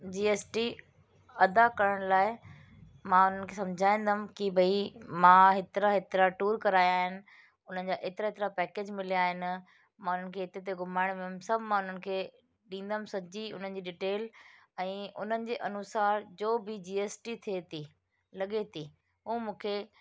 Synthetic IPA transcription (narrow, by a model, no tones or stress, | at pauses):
d͡ʑiːeːsʈi | ɐd̪akɐɾəɽ̃laːɪ | mãʊn̤ənɪ̆kʰeːsɐ̃md͡ʑʱaːĩːnd̪əm̆kibʱɐimãːɦɪt̪ɪɾaɦɪt̪ɪɾaʈuːɾkɐɾaːjaːɦɪnɪ̆ | ʊn̤ənɪ̆d͡ʑaːʔeːt̪ɪɾaet̪ɪɾapɛːkeːd͡ʑmɪlijaːɦɪnɪ̆ | mãːʊn̤ənɪ̆kʰeːɦɪt̪et̪̬eɡʊmaːɪɽ̃ʋemsɐbʱmãːʊn̤ənɪ̆kʰeː | ɗĩːn̆d̪əm̆sɐd͡ʑiʊ̰n̤ənɪ̆d͡ʑiːɗɪʈeːl | ɛ̃ːʊn̤ənɪ̆d͡ʑeːʔɐnʊsaːɾd͡ʑoːbʱɪd͡ʑiːeːsʈit̪ʰiet̪ʰi | lɐɠet̪ʰiː | ɦuːmũːkʰe